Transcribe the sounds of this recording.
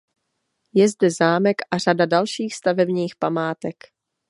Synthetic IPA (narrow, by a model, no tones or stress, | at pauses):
jɛzdɛzaːmɛkʔar̝adadalʃiːxst̪avɛbɲiːxpamaːt̪ɛk